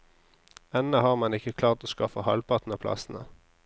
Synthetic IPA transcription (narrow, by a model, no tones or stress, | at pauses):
ɛnəhɑːʁmɑnɪkəkʰlɑːʁt̪oːskɑfəhɑ̰lpɑt̪n̩əpʰlɑ̰sn̩ə